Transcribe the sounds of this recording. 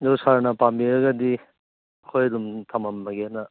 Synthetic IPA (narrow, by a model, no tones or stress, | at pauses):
zowsaɾnɐpambiɾɐɡɐdi | ɐkʰojɐdumtʰamamːaɡenɐ